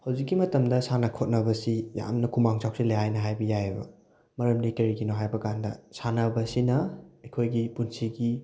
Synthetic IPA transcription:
hawzikːimɐtɐmdɐsanɐkʰot̚nɐbɐsija̰mnɐkʰumaŋsʰawsilɐjajnɐɦajbɐjajebɐ̰ | mɐɾɐmdikɐɾikinoɦajbɐkandɐ̰sanɐbɐsinɐɐjkʰojɡipunsiɡi

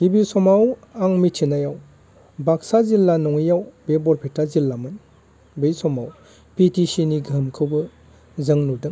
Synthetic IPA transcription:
hibisɔmawaŋmitʰinajaw | bak̚sazilːanɔŋijawbebɔɾpʰetazilːamɯn | bejsɔmaw | pitisiniɡəmkʰɯwbɯ | zɐŋnudɯŋ

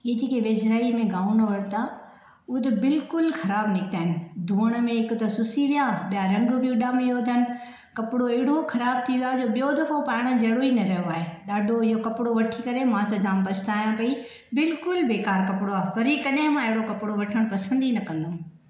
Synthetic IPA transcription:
iːd͡ʑikeʋeːd͡ʒɾaːimẽɡaːnɐʋɐɽt̪aː | ʊd̪ɐbɪlkʊlxʰɐɾaːbnɪk̚t̪aːɦɪn̆d̪ʱuːəɽ̃ə̆mẽɪkʊt̪ɐsʊsiʋijãɓijaɾɐ̃ŋɡbʱiʊɗamẽjoːd̪ʱənɪ̆ | kɐpɽoɐɦɪɽokʰɐɾaːb̚t̪ʰiʋiaːd͡ʑoːɓijod̪ʱɐfopaːɪɽ̃əd͡ʑɐɽoinɐɾɐjoaːɦeːɗaːɖʱoɪɦokɐpɽoʋɐʈʰikɐɾemãːsãd͡ʑaːmpɐt͡ʃʰt̪aːɦjãpɐi | bɪlkʊlbeːkaːɾkɐpɪɽoaːpɐɾikɐɗɪ̃mãɪɦɪɽokɐpɪɽoʋɐʈʰəɽ̃pɐsə̃nd̪inɐkɐ̃nd̪o

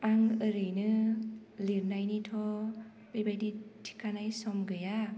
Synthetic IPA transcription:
aŋəɾɯjnɯ | liɾnajnitʰɔ | b̥ejbajditʰi̥kʰanajsɔmɡɯja

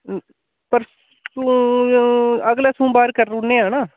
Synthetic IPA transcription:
pəɾ | sũ | əɡleːsũːbaːɾkəɾːʊnːeːaːnaː

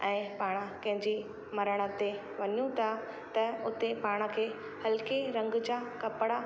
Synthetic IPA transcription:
ɛ̃ːpaːɽ̃əkɐ̃ɦɪ̃ɲd͡ʑi | mɐɾəɽ̃ə̆t̪e | ʋɐɲũt̪ʰa | t̪ɐʊt̪epaːɽ̃əkʰeː | hɐlkiɾɐ̃ŋɡd͡ʑaːkɐpɽa

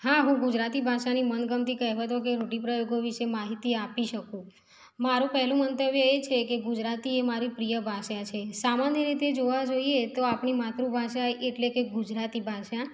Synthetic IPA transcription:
ɦaɦũɡud͡ʒɾat̪ibʱaʃanimənɡəmt̪ikəɦʋat̪ok̬eɾoʈipɾəjoɡoʋiʃemaɦit̪iapiʃəkũ | maɾũpəɦlũmənt̪əbjəet͡ʃʰekeɡud͡ʒɾat̪iemaɾipɾijəbʱaʃat͡ʃʰesamanjəɾit̪ed͡ʒoʋad͡ʒoiet̪oapɳimat̪ɾũbʱaʃaeʔeʈlekeɡud͡ʒɾat̪ibʱaʃa

